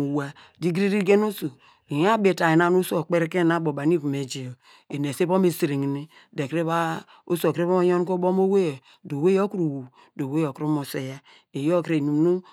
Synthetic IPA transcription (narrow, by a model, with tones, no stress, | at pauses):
u˨wa˨ | di˦ɡɾi˦ɾi˦ɡe˦no˦su˨ | i˨ja˦be˨ta˨je˨na˦˨˦no˦so˨k͡pe˦ɾe˦ke˦na˦bo˨ba˨n˦i˦vu˨me˨d͡ʒe˨o˨ | e˨n˨e˨se˦bo˦me˨si˨ɾi˨ŋ˨ni˦ | de˨kɾe˦βa˦ | o˦so˨kɾe˦bo˦o˦jo˦n˦ko˦bo˦mo˦we˦je˨ | do˨we˦jo˦ku˦ɾu˨wu˨ | do˨we˦jo˨kɾu˦mo˨se˨ja˦ | e˨jo˦˨kɾe˨nu˨˦nu˦